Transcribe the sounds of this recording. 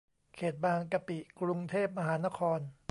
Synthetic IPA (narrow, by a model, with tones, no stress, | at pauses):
kʰeː˨˩t̪̚baː˧ŋka˧pi˨˩ʔkɾu˧ŋt̪ʰeː˥˩p̚ma˧ɦaː˩˦˥na˦˥kʰɔː˧n